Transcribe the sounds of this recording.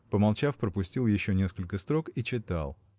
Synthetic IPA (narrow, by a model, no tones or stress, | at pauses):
pəmɐlˠt͡ɕafpɾəpʊsʲtʲilˠjɪɕːonʲeskəlʲkəst̪ɾo̞kit͡ɕɪt̪a̰lˠ